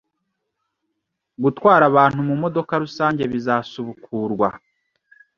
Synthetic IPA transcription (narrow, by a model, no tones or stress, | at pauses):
ɡutwaːɾaβaːn̥humumo̞do̞kaɾusaːɲɟe̞βizaːsuβukʰuːɾɡwa